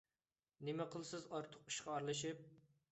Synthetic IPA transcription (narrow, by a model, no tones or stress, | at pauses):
nɪmɛqʰəlˠsɨzɑɾt̪ʰʊqi̥ʃqʰɑɑɾlˠɨʃip̚